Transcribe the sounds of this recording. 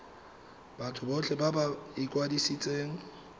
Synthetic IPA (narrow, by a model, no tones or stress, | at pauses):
b̥atʰʊbɔt͡ɬʰɛbabaɪkʼwadisit͡sʼeːŋ̩